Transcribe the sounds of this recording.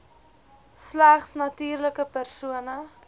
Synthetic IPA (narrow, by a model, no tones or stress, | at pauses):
slæχsnɐtiːrləkəpærsuənə